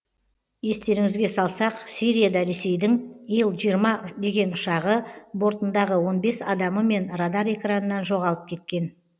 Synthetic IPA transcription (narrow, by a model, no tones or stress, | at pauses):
je̞st̪e̞ɾɪŋɪzɡʲe̞sɑlˠsɑqsiɾʲijad̪ɑɾe̞se̞jd̪ɪŋijəlˠʒijəɾmɑd̪e̞ɡʲe̞nʊʃɑʁəbo̞ɾt̪ənd̪ɑʁəwo̞nbe̞sɑd̪ɑməme̞nrad̪ɑɾe̞kranənɑnʒo̞ʁɑlˠəp̚kʲʰe̞t̪̚kʲe̞n